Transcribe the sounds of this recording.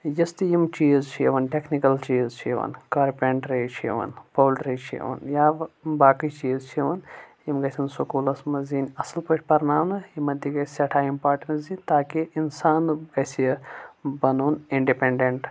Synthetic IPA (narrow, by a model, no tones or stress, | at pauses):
jɐst̪ijimt͡ʃiːzt͡ʃʰiʋɐnʈeknikɐlt͡ʃiːzt͡ʃʰḭʋɐ̰nkaːɾpʲeɳʈɾɐt͡ʃʰiʋɐ̰npoːlɖɾit͡ʃʰḭʋɐ̰njaːbaːkit͡ʃiːzt͡ʃʰiʋɐnjimɡɐsʰʲinsukuːlɐsmɐzinʲɐslpɐʈʰʲpɐɾnaːmnɨjimɐt̪iɡɐsʲɐʈʰaːimpaːɾʈɐnzit̪aːkiʔinsaːnɡɐsiɐbɐnoːniɳɖipeɳɖeɳʈ